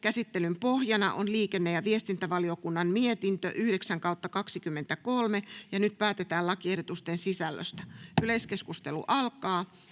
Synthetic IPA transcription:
kæsit̪ːelympohjɑnɑ̰ʔonliːkenːejɑʋiest̪int̪æʋɑliokunːɑmmiet̪int̪ø̰ʔyhɾeksæŋkɑut̪ːɑkɑksikymːent̪ækolmejɑnyt̪̚pæːt̪et̪æːlɑkiehdot̪ust̪ensisælːø̰st̪æyleskeskust̪elṵʔɑlkɑː

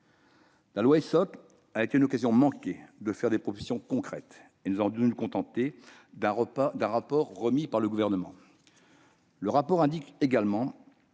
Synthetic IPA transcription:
lalwaesɔk | aet̪eynɔkazjɔ̃mɑ̃kʲed̪əfɛʁd̪epχɔfisjɔ̃kɔ̃kχɛt̪ | enuzavɔ̃d̪nukɔ̃t̪ɑ̃t̪e | d̪ɛ̃d̪ɛ̃ʁapɔʁːəmipaʁləɡuvɛʁnəmɑ̃ | ləʁapɔʁɛ̃d̪ikeɡalmɑ̃

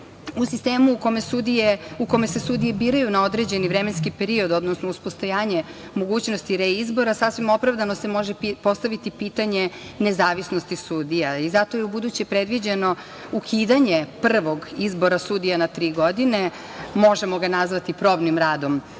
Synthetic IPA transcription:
usist̪eːmukomesud̪ieuko̞me̞se̞sud̪ije̞biːɾajunao̞d̪ɾe̞d͡ʑe̞niʋɾe̞menskipeɾio̞d̪o̞d̪nosnouspo̞st̪ojaːɲe̞ | mo̞ɡuːt͡ɕnost̪iɾeizbo̞ɾasasʋimo̞pɾavd̪ano̞se̞mo̞ʒepo̞st̪aʋit̪ipiːt̪aɲe̞ | nezaːʋisnost̪isuːd̪ijaizat̪o̞jeubud̪ut͡ɕepɾed̪ʋid͡ʑeno̞ | ukʰiːd̪aɲe̞pr̩ʋo̞ɡizbo̞ɾasud̪ijanat̪ɾiːɡo̞d̪ine | mo̞ʒe̞mo̞ɡanazʋat̪ipɾo̞bnimɾaːd̪o̞m

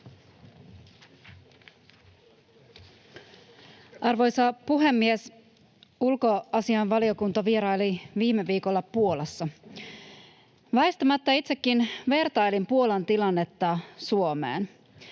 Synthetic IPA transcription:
ɑrʋo̞jsɑpuɦe̞mːies | ulko̞ɑsiɑnʋɑlio̞kunt̪ɑʋie̞ɾɑjliʋiːmeʋiːko̞lːɑpuo̞lɑsːɑ | ʋɑest̪ɑmɑt̪ːɑit̪se̞kːinʋe̞rt̪ɑjlimpuo̞lɑnt̪ilɑnːe̞t̪ːɑsuo̞mḛːn

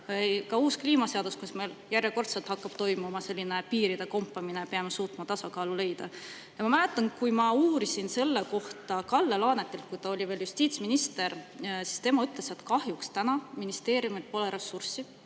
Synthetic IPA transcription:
kɑuːskliːmɑse̞ɑd̪̥uskusme̞jljærjeko̞rt̪se̞lt̪hɑkːɑb̥t̪o̞jmumɑse̞lʲːinepiːɾid̪̥e̞ko̞mpːˑɑminepe̞ɑmesuːt̪mɑt̪ɑsɑkɑːlule̞jd̪̥ɑ | jɑmɑmæle̞t̪ːˑɑnkujmɑuːɾisinse̞lːeko̞ht̪ɑkɑlːe̞lɑːne̞t̪ːˑe̞lt̪̚kujt̪ɑo̞lʲiveljust̪iːt̪sminist̪e̞ɾsi̥st̪e̞mɑyt̪ˑle̞se̞t̪kɑhjukst̪ænɑminist̪e̞ːɾjumeld̪̚po̞leɾesːursi

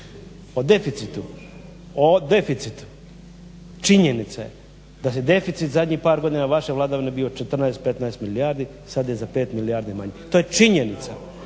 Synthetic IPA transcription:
od̪e̞fit̪sit̪u | od̪e̞fit̪sit̪u̥ | t͡ʃiɲenit̪saje | d̪as̬jed̪e̞fit̪sit̪zad̪ʲɲipaːɾɡo̞d̪inaʋaʃe̞ʋlˠad̪aʋinebiot͡ʃet̪r̩naest̪pet̪naest̪miliaːɾd̪i | sad̪jezape̞ːt̪miliaːɾd̪imaɲet̪ojet͡ʃiɲenit̪sa̰

